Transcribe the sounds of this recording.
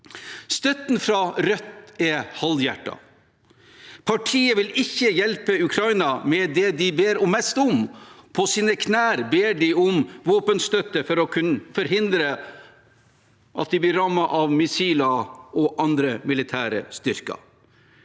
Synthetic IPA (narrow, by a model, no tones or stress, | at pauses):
st̪œt̪nfɾɑɾœt̪ːɛhɑljæ̰ʈːɑ̰ | pʰɑʈʰiːəʋɪlɪçːəjɛlpəʉkʰɾɑɪnɑmɛd̪ɛd̪ɪbeːɾɔmːɛst̪ʊmpʰɔsiːnəkʰnæːɾbeːɖɪʊmʋoːpənst̪œt̪ːəfɔɾɔkʰʉnfɔɾɦɪnd̪ɾə | ʔɑt̪̚d̪ɪblɪɾɑmːɑʔɑʋmɪsiːlɑɔʔɑnd̪ɾəmɪlɪt̪ʰæːɾə̰st̪ʏɾkɑ̰